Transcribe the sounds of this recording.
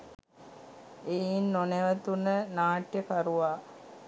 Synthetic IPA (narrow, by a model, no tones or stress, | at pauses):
einːoneʋət̪unənaːʈjəkaɾuʋaː